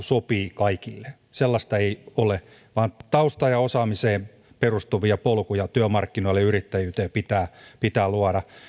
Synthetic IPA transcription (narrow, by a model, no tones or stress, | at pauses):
sopiːkɑikilːe | selːɑst̪ɑeiole | ʋɑːnt̪ɑust̪ɑjɑosɑːmiseːm | perust̪uʋiɑpolkujɑt̪yømɑrkːinoilːeyrit̪ːæjyːt̪eːpit̪æːpit̪æːluɑɾɑ